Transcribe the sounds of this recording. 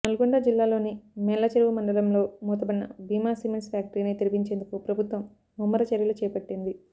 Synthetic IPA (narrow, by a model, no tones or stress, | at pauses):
nɐluɡuɳɖɐd͡ʒilːaːlo̞ːnimɛlːɐt͡ʃɐɾʋumɐɳɖɐlɐmlo̞ːmuːt̪ɐbɐnːɐ̰biːmaːsiːmenspjaːk̚ʈɐɾiːnit̪iɾipiɲt͡ʃe̞ːnd̪ukupɾɐbʱut̪ʋɐmː | umːɐɾɐt͡ʃɐɾjɐlut͡ʃɛːɐpɐʈːind̪i